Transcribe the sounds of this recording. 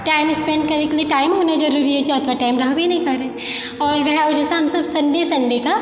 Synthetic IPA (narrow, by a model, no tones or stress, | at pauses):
ʈaːɪmɪspɛ̃ɳɖ̚kɐɾekelieʈaːɪmɦoːnazɐɾuːɾiɦɛt͡ʃɔːt̪ʰʋaʈaːɪmɾaɦbʱinɐɦĩkɐɾːeː | ɔːɾʋɛɦaod͡ʒɛːseɦɐmsɐbsɐ̃ɳɖesɐ̃ɳɖeka